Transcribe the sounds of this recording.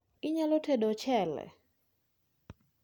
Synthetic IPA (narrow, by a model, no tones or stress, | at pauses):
ɪɲalotʰedot͡ʃɛlɛ̰